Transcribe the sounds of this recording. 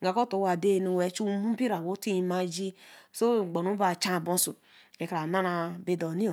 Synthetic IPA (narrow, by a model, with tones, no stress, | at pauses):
ɡa˨ko˦to˨˦wa˨de˦˨nu˨we˨˦t͡ʃu˦mu˦bi˦ɾa˨wo˨˦ti˦i˨ma˨d͡ʒi˦so˦˨ɡ͡bo˨nu˦ba˨t͡ʃa˦˨bo˦su˨ | e˨kɾa˨na˦na˨be˨do˨ni˦o˨